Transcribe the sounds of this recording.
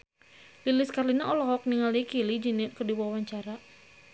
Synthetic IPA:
lilɪskarlinaʔɔlɔɦɔk̚niŋalikilid͡ʒinɪʔkərdiwawaɲt͡ʃaɾa

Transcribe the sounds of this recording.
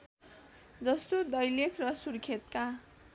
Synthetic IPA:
d͡zʌst̪od̪ʌjlekʰrʌsurkʰet̪̚ka

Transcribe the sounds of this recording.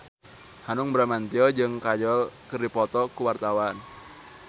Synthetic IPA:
hanʊŋbɾamant̪iɔd͡ʒɨŋkad͡ʒɔlkɨrdipɔt̪ɔkuwart̪awan

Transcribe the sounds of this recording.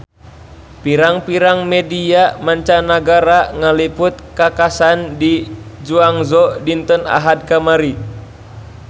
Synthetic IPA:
piɾaŋpiɾaŋmɛdiamaɲt͡ʃanaɡaɾaŋalipʊt̪̚kakasandid͡ʒuaŋzɔdint̪əna̰ɦad̪̚kamaɾi

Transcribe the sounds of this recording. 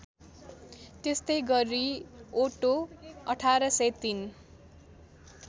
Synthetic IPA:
t̪est̪ʌjɡʌɾioʈoʌʈʰaɾʌsʌjt̪in

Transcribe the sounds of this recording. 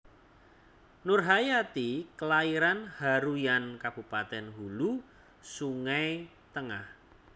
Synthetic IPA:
nʊrɦajat̪ikəlaiɾanhaɾujankab̥ṳpat̪ɛnɦulu | suŋaj | t̪əŋah

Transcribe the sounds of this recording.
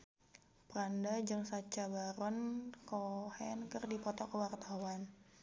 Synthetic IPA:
pɾandad͡ʒɨŋsat͡ʃabaɾɔnkɔhɛnkɨrdipɔt̪ɔkəwart̪awan

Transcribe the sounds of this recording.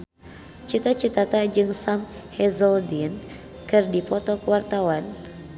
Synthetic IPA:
t͡ʃit̪at͡ʃit̪at̪ad͡ʒɨŋsamhɛzɔldin | kɨrdipɔt̪ɔkəwart̪awan

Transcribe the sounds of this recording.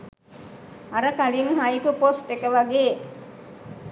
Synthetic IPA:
aɾəkaliŋɦajpuposʈekəʋaɡeː

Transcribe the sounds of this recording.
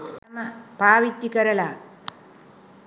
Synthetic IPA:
ɐmɐpaːʋit̪ːikɐɾɐlaː

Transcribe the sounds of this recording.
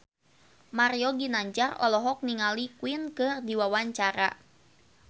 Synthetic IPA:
maɾiɔɡinaɲd͡ʒarɔ̰lɔɦɔk̚niŋalikwɪnkɨrdiwawaɲt͡ʃaɾa̰

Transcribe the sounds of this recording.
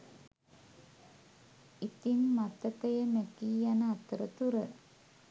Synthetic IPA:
it̪imːat̪əkəjəmekiːjanəat̪əɾət̪uɾə

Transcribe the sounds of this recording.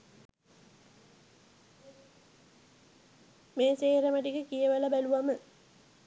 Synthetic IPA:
meːseːɾɐməʈikəkijɐʋəlɐbæluʋamə

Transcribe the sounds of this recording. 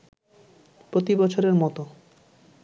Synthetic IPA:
pɾot̪ibɔt͡ɕʰoɾeɾmɔt̪o

